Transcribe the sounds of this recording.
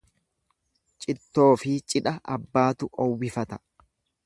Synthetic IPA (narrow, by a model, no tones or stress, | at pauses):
t͡ʃʼɪt̪ːo̞ːfɪt͡ʃʼɪᶑɐʔɐbːaːt̪ʊʔɔwːɪfɐt̪ɐ̥